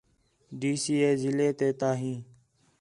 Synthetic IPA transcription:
ɖiːsiːeːzɪleːt̪eːt̪aːɦĩː

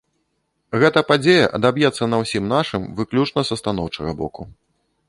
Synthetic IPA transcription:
ɣɛt̪ɐpad͡zʲejɐʔɐd̪abjɛt̪sːɐnɐwsʲimnaʂɨmvɨklʲut͡ʂnɐsɐst̪anɔwt͡ʂɐɣɐbɔ̰ku

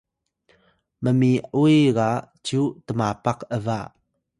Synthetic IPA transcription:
məmiʔujɣa | t͡ɕutəmapaqəva

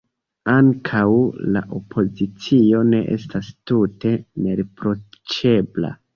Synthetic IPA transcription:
aŋkʰawla̰ʔo̞pʰo̞zit͡sio̞ne̞ʔe̞̰stastute̞ne̞ɾepɾo̞t͡ʃe̞bla̰

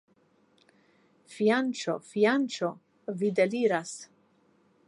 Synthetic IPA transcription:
fiant͡ʃo̰fiant͡ʃo | vid̪eliɾas

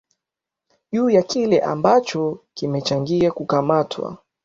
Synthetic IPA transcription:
ʄuːjakilɛʔa̰mbat͡ʃɔkimɛt͡ʃaŋɡiakukamatʰwa̰

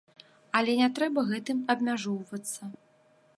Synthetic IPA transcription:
ɐlʲɛnʲɛt̪ɾɛbɐɣɛt̪ɨmɐbmʲaʐɔwvɐt̪sːɐ

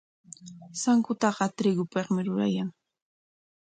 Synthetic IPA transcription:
saŋkʊt̪ɑɢɑt̪ɾɪɡʊpeqmɪɾʊɾa̰jaŋ

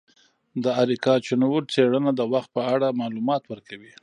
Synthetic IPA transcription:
d̪əaɾikɑt͡ʃʊnwuɾt͡seɽənad̪əwaxt̪̚pəaɽamɑlumɑt̪wəɾkawi

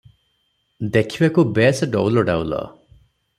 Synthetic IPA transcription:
d̪ekʰibakubesɖɔ̰wlɔɖa̰wlɔ̰

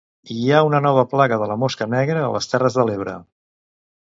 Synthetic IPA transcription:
iaunənɔβ̞əplaɣəðələmoskənɛɣɾəːləst̪ɛrəzðəleβ̞ɾə̰

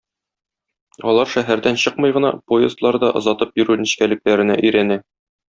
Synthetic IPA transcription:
ɒlˠɑɾʃæɦæɾd̪ænɕɤqmɤ̆jʁɤ̆nɑ̰pojɪst̪lˠɑɾd̪ɑʔɤ̆zɑt̪ɤpjɵ̆ɾʉnĭɕkælɘ̆klæɾɘ̆næʔɵ̆jɾænæ

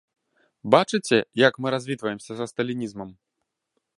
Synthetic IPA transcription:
bat͡ʂɨt͡sʲɛjɐkmɨɾazʲvʲit̪vɐjɛmsʲɐzɐst̪ɐlʲinʲizmɐm

